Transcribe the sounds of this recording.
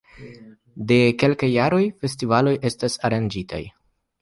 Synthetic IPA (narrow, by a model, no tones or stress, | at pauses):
de̞ke̞lkajːaɾo̞jfe̞stivalo̞jʔe̞stasaɾand͡ʒitʰa̰j